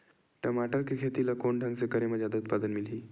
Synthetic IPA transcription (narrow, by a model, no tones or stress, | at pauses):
ʈəmaʈəɾkʰekʰet̪ilakoɳɖʱəŋɡt͡sekəɾeməd͡ʑʱad̪əut̪̚pad̪ənmiliː